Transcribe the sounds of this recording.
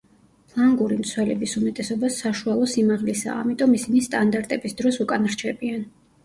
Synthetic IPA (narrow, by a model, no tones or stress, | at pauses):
pʰlˠaŋɡuɾimt̪sʰwɛlɛbisumɛt̪ʼɛsɔbasːaʃualˠɔsimaʁlisa̰ːmit̪ʼɔmisinist̪ʼand̪aɾt̪ʼɛbisd̪ɾɔsukʼanɾt͡ʃʰɛbian